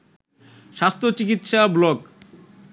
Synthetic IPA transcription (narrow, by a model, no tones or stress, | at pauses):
ʃast̪ʰot͡ɕikit̪ʃablɔk